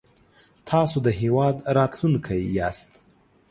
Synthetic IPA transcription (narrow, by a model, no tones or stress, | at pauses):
t̪ʰɑsod̪əɦewɑd̪ɾɑt̪lunkʰajjɑst̪